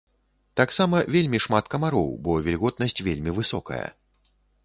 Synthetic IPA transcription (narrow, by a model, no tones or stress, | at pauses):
t̪aksamɐvʲelʲmʲiʂmat̪kɐmaɾɔ̰wbɔvʲɛlʲɣɔd̪nɐsʲt͡sʲvʲelʲmʲivɨsɔ̰kɐ̰jɐ̰